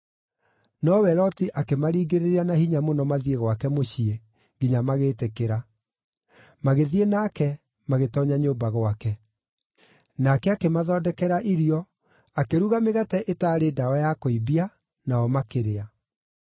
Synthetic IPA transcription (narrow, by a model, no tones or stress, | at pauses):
nɔwɛɾɔtiʔakemaɾiːɡeɾeɾeanahiɲamonɔmaðieɣwakɛmoɕie | ɡiɲamaɣeːtekeɾa | maɣeðienakɛ | maɣetɔɲaɲoːmbaɣwakɛ | nakɛakemaðɔːdɛkɛɾaʔiɾiɔ | akeɾuɣameɣatɛʔetaːɾeːdaɔjakoibia | naɔmakeɾea